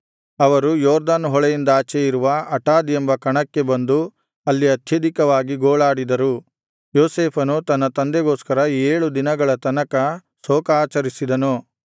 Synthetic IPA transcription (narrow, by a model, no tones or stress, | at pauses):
ɐʋɐɾujɔːɾd̪aːnɦɔɭejind̪aːt͡ʃejiɾuʋɐɐʈaːd̪ijembɐkɐɳɐkːe̞bɐnd̪u | ɐlːiɐt̪ʰjɐd̪ikɐʋaːɡiɡoːɭaːɽid̪ɐɾu | joːseːpʰɐnut̪ɐnːɐt̪ɐnd̪eɡoːskɐɾɐeːɭud̪inɐɡɐɭɐt̪ɐnɐkɐ | soːkaːt͡ʃɐɾisid̪ɐnu